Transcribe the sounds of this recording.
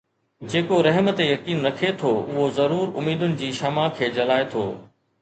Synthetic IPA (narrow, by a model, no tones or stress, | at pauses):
d͡ʑeːkoɾɐɦmət̪ejɐkiːnɾɐkʰet̪ʰoʊɦozɐɾuːɾʊmiːd̪ʊnɪ̆d͡ʑiːʃɐmakʰeːd͡ʑɐlaːet̪ʰo̰ː